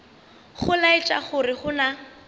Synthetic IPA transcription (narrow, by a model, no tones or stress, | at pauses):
χʊlaɪt͡ʃʼa̰χʊrɪχʊna